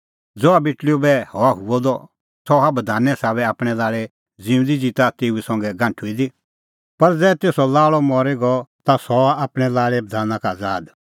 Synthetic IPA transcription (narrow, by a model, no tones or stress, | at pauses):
d͡zɔabɪʈlijubɛhɔaɦuɔd̪ɔ | sɔabɐd̪ʱaːnɛsaːβɛaːpɽ̃ɛlaːɭɛ | d͡zĩːʊ̃nd̪id͡zit̪at̪eːuɛsɐ̃ŋɡɛɡãːɳʈʰuid̪i | pɐɾd͡zɛːt̪eːsɔlaːɭɔmɔɾeɡɔt̪asɔaːpɽ̃ɛlaːɭɛbɐd̪ʱaːnãkad͡zaːd̪